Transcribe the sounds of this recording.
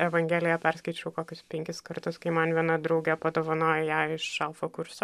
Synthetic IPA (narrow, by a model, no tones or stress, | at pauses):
ɛʋɐŋʲɡʲæːlʲɪjɛpʲɛɾskɐɪt͡ʃʲɛʊkoːkʲʊspʲɛŋʲkʲɪskɐɾt̪ʊskɐɪmɐnʋʲiɛnɐd̪ɾɐʊɡʲɛpɐd̪oːʋɐnoːjɛjæːɪʃʃɐlˠfoːkʊɾso